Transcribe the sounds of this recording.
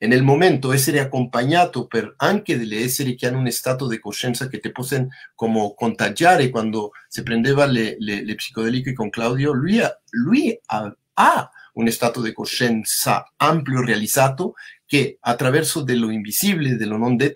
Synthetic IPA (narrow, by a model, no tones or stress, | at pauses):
enelmõmẽnt̪oes̬eɾeako̞mpaɲat̪opeɾaŋkeðeleeseɾekeanunest̪at̪oðekoʃensaket̪eposeŋkomokont̪aʒjaɾekwand̪osepɾend̪eβalelelepsi̥koð̞elikoikoŋklawðjolilwia | aunest̪at̪oðekosensa̰ampljorealisat̪okeat̪ɾaβeɾsoðeloimbisiβleðelonond̪et